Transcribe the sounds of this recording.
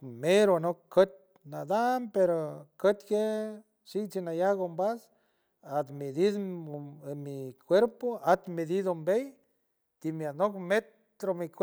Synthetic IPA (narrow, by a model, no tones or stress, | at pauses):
meɾonokət̪̚ | nad̪ampeɾokət̪ke | ʃikt͡sinajaɡombas | at̪med̪id̪ | mikʰʷeɾpoat̪med̪id̪ombej | t̪imjanokmet̪ | ɾomik